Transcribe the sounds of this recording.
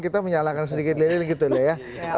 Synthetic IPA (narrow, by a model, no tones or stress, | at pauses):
kit̪aməɲalakansədikɪt̪̚laɾilɡit̪ulaja